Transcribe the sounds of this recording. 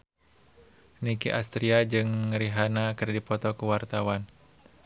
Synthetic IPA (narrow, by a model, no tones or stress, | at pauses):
nikiʔast̪ɾiad͡ʒɨŋɾiɦanakɨrdipɔt̪ɔkuwart̪awan